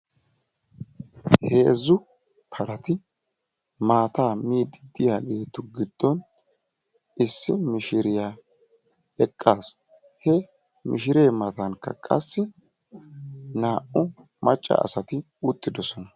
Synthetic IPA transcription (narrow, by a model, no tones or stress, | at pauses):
heːzːʊ | pʰɐɾɐt̪ɪ | maːt̪aːmiːd̪ɪd̪ːɪjaːɡe̞ːt̪ʊɡɪd̪̥ːɔn | ʔɪsːɪmɪʃɪɾɪjaː | ɛkʼːaːs | hɛ | mɪ̰ʃɪɾe̞ːmɐt̪ɐnkːɐ̰kʼɐsːɪ | naːʔʊ | mɐt͡ʃʼːɐ̰ʔːsɐt̪ɪ | ʊt̪ʼːɪd̪ɔsɔnɐ